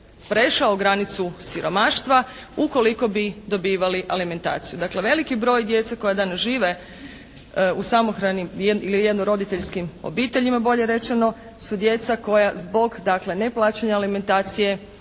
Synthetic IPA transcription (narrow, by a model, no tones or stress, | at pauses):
pɾe̞ʃaoɡɾanit̪susiɾo̞maːʃt̪ʋa | uko̞liko̞bid̪o̞biːʋaliʔalime̞nt̪a̰ːt̪sijud̪akle̞ʋe̞likibɾo̞ːjd̪je̞t̪sakojad̪anasʒiːʋe̞ | usamo̞xɾanimjeilijed̪noɾo̞d̪it̪eʎskimo̰biːt̪e̞ʎimabo̞ʎe̞ɾe̞t͡ʃe̞no̞ | sud̪je̞t̪sako̞jazbo̞ɡd̪akle̞ne̞plˠaːt͡ʃeɲaalime̞nt̪aːt̪sije̞